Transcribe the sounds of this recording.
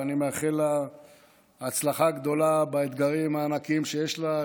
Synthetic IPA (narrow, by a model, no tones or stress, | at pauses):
animeaχela | t͡slaχaɡd̪o̞labaet̪ɡaʁimaːnakimʃejeʃla